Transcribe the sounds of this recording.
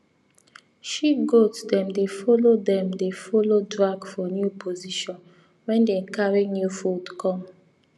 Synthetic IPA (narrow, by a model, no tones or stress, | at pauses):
ʃiɡotdɛ̃mdefɔlodɛ̃mdefɔlodɹaɡfɔnjupʰoziʃɔ̃n | wɛ̃ndɛkʰaɹĩŋnjufudkʰɔ̃m